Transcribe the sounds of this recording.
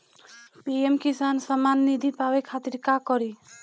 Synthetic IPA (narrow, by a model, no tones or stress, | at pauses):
piemkisansəmanːid̪ʱipabekʰat̪iɾkakɔɾi